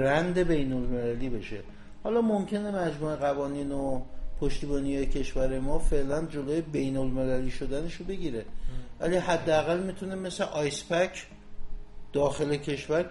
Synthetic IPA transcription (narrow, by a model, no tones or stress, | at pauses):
ɾænd̪e̞be̞jnolme̞læliːbeʃe̞̰ | hɒːlɒːmomcʰe̞ne̞mæd͡ʒmuːe̞ɣævɒːniːnopʰoʃt̪iːbɒːnijejecʰe̞ʃvæɾe̞mɒːfe̞ʔlænd͡ʒoloːjebe̞jnolme̞læliːʃo̞d̪æne̞ʃobe̞ɟiːɾe̞væ̰liːɦæd̪ːeæɣælmit̪ʰune̞me̞se̞ʔɒjspæcʰ | d̪̥ɒːxe̞le̞cʰe̞ʃvæɾ